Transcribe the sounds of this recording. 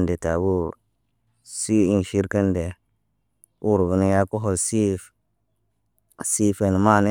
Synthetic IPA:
nde˨ta˨bu˦ | si˦i˦n˨ʃi˦ɾka˦nde˨ | wu˦ɾvu˨ni˦ja˦ku˦ɦo˨lsi˦f | si˦fe˨n˨ma˦˨ne˦

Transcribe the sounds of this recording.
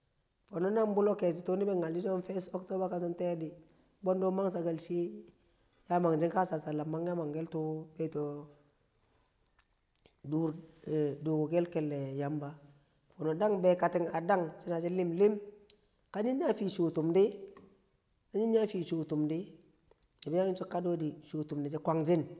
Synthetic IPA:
fo˨no˦na˦ŋbu˦lo˦kɛ˨t͡ʃi˨tu˦ni˦bɛ˦ŋa˨ld͡ʒi˦do˦nfɛ˦sɔ˦kto˦ba˦ka˨ti˦ntɛ˦di˨ | bɔ˦ndo˦ma˦ŋsa˨ɡa˨lsi˦ | ja˦ma˨ŋd͡ʒi˦ŋka˦sa˨sa˨la˨ma˦ŋja˦ma˨ŋɡɛ˦ltu˦bɛ˦to˨ | du˦ɾdu˨ɡɡɛ˦lkɛ˨lːɛ˨ja˨˦mba˦ | fu˨no˨da˦ŋbɛ˨ka˨tɪ˨ŋa˨da˦ŋt͡ʃɪ˦na˨d͡ʒi˦lɪ˦mlɪ˦m | ka˦ɲi˦n˦ɲa˦fi˨ʃu˨tu˨mdɪ˦ | na˦ɲi˦nɲa˦fi˨ʃu˨tu˨mdɪ˦ | a˨bi˦ja˦ɪ˦nt͡ʃu˦kːa˦do˦di˨ʃuː˨tu˨mdɪ˨d͡ʒi˦kʷa˨ŋd͡ʒɪ˦n

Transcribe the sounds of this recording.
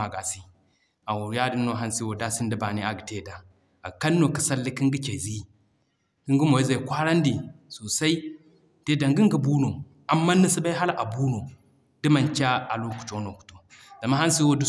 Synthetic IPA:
a˨ɡa˨si˦ | a˨wu˨ɾja˦di˦nːo˦ɦa˦nsi˦wo˨da˦si˦ndi˦ba˨ni˦a˨ɡi˨te˦˨da˨ | a˨ka˦nːo˨ki̥˨sa˦lːi˦ki˦ŋɡi˦ke˨zi˦ | ki˦ŋɡi˦mo˨ji˦za˨i˨kʷa˦ɾa˦ndi˨so˨sa˦i˦ | te˦da˨ŋɡi˦ŋɡi˦˨bu˦no˨ | a˨mːa˦ni˦si˦ba˦i˦ɦa˦la˦˨ʔa˨bu˦no˨ | d̥i˦ma˨nt͡ʃʲa˦a˨lo˦ku̥˨t͡ʃo˦no˨ku̥˨to˨ | za˨mːa˦ɦa˦n˦si˦wo˦du˦

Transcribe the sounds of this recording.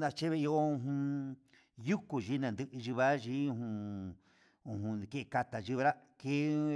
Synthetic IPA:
ã˧t͡ʃe˦βe˧i˧o˦ũ˧ɦũ˧ | ju˦ku˨ʒi˦nã˨nd̪ɨ˧ʔɨ˧ʒi˧βa˦ʒi˦ũ˧hũ˧ | ũ˧˨ɦũ˧ke˦ʔka˧t̪a˨ʒi˧βa˧ɾa˦ke˦

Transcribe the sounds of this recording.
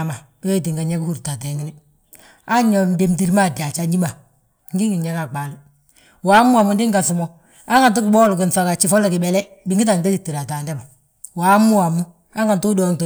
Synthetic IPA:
ma˨˦wɛ˦t̬i˨ŋɡa˨ɲɛ˦ku˦hu˦ɾta˨tɛ˨ŋi˦nɪ˦ | a˦ɲɔ˨nde˨mti˨ɾma˦˨da˨t͡ʃa˨ɲi˦ma˨ | ŋ˦ɡi˦ŋi˨ɲɛ˦ka˨k͡pa˨lʊ˦ | wa˨˦mʊ˦a˨mʊ˨ndɪ˦ŋɡa˨sʊ˨mɔ˨ | a˦ŋɡa˨nt̬u˦kɪ˨bɔː˦lʊ˨kɪ˨nsa˨ka˨t͡ʃi˦fɔ˦lɛ˨kɪ˨bɛ˨lɛ˦bɪ˨ŋɡi˦t̬a˨ŋta˦si˨tːi˨ɾa˨taː˨ndɛ˦ma˨ | wa˨˦mːu˦a˨mʊ˦ | a˦ŋɡa˨ntu˦dɔ˨ŋt

